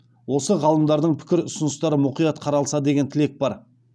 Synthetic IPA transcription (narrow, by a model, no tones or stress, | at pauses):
wo̞səʁɑlˠəmd̪ɑɾd̪əɴpʰɪ̥kʲɪɾʊsʊnəst̪ɑɾəmʊqijɑt̪qʰɑɾɑlˠsɑd̪e̞ɡʲet̪ʰɪle̞k̚bɑɾ